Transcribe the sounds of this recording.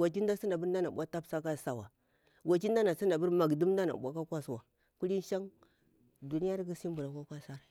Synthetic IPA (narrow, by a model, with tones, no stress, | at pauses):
a˨t͡ʃi˦nda˦si˦nda˨bu˦ɾn˦da˦na˨ɓʷa˦ta˦bsa˦ka˦˨sa˨wa˨ | wa˨t͡ʃi˦nda˦na˨si˦nda˨bu˦ɾma˨ɡdu˦m˦da˦na̰˨ɓʷa˨ka˦kʷa˦swa˨ | ku˦li˦n˦ʃa˦ŋ | du˨ni˦ja˦ɾɡu˦si˦mbu˨ɾa˨ka˦kʷa˦sa˦ɾa˨